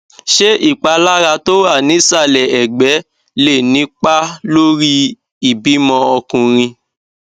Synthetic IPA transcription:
ʃe˦ʔi˦˨k͡pa˧la˦ɾa˧to˦a˦˨nĩ˨˦sa˦˨lɛ˨ɛ˨ɡ͡bɛ˨˦ | le˦˨nĩ˨˦k͡pa˦lo˦ɾi˦ | i˨bi˨˦mɔ̃˧ɔ˧kũ˧ɾ̃ĩ˧

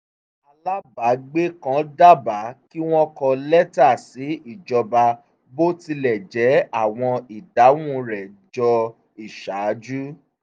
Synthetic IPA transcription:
a˧la˦ba˨˦ɡ͡be˦kã˨˦da˦ba˨˦ki˦w̃ɔ̃˦kɔ˧lɛ˦ta˦˨si˨˦i˦˨d͡ʒɔ˧ba˧ | bo˦ti˧lɛ˨d͡ʒɛ˨˦a˦˨w̃ɔ̃˧i˨da˨˦wũ˦˨ɾɛ˨d͡ʒɔ˧ | i˨ʃa˨˦d͡ʒu˦

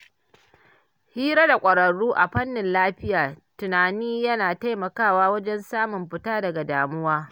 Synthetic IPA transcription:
hiː˦ɾa˦da˨kʷʼɐ˨ɾɐ˨ɽuː˦ʔa˨ɸɐ˦nːɪ˨nlaː˦ɸɪ˦jaː˨tʊ˨naː˨niː˦jɐ˦naː˨ta˦jmɐ˨kaː˦˨waː˦wɐ˦d͡ʒɛ˦nsaː˦mʊ˨mɸɪ˦taː˦dɐ˨ɡa˨daː˨mʊ˦waː˦

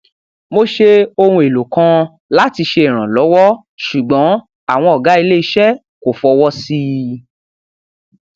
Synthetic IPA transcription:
mo˧ʃe˧o˧hũ˧e˨lo˨kã˧ | la˦ti˧ʃe˧e˨ɾ̃ã˨lɔ˨˦wɔ˦ | ʃu˨ɡ͡bɔ̃˨˦ | a˦˨w̃ɔ̃˧ɔ˨ɡa˨˦i˧le˦i˧ʃɛ˦ | ko˨fɔ˧wɔ˦si˦

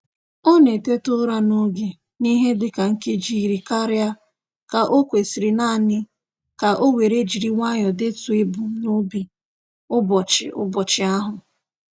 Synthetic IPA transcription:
ɔ˦ne˨te˦tʊ˦ɾa˦no˦ɡe˨ | ni˦ɦe˦dɪ˨ka˨ŋ̩˦ke˦d͡ʒi˦˨ɾi˨ka˦ɾɪ˦a˦ | ka˨ʔo˦kʷe˨si˨ɾi˨na˦˨nɪ˦ | ka˨ʔo˦we˨ɾe˦d͡ʒi˨ɾi˨ŋʷa˦ɲɔ˨dɪ˦tu˨e˦bu˨˦no˦bi˨ | ʊ˦bɔ˨t͡ʃɪ̰˨ʔʊ̰˦bɔ˨t͡ʃɪ˨a˦ɦʊ˨

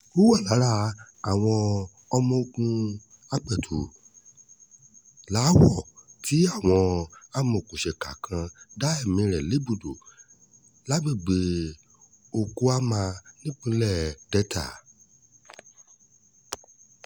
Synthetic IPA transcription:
o˦wa˦˨la˨˦ɾa˦ | a˦˨w̃ɔ̃˧ | ɔ˧mɔ̃˧o˧kũ˧ | a˧k͡pɛ˨tʰu˨ | la˨˦wɔ˦˨tʰi˨˦a˦˨w̃ɔ̃˧a˦mɔ̃˨kũ˨ʃɛ˨ka˨kʰã˧da˦ɛ˦˨mĩ˧ɾɛ˨le˨˦bu˦˨do˨ | la˨˦ɡ͡be˦˨ɡ͡be˨ | o˨ko˧a˦mã˧nĩ˦k͡pũ˧˦lɛ˦˨dɛ˦tʰa̰˦˨

